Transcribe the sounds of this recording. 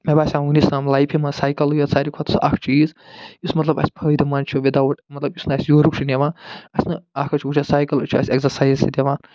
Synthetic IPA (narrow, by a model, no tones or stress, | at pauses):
mebaːsʲamunisnamlajpʰimasaːjkɐlujot͡saɾikʰɔt̪ʰusa̰kʰt͡ʃʰuiizjusmɐt̪lɐbɐ̰sʲpʰɐːjd̪ɐmant͡ʃʰuʋid̪awɐʈmɐt̪lɐbjusnɨɐsʲjoːɾukt͡ʃʰuneʋãːnɐsʲnɨakʰɐt͡ʃʰuut͡ʃʰasaːjkɐlut͡ʃʰuɐ̰sʲekzɐɾsajzsid̪eʋãːn